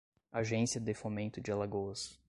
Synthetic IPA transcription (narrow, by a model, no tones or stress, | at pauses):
aʒẽsiɐd̪efomẽnt̪ʊd͡ʒɪalaɡozʊ̥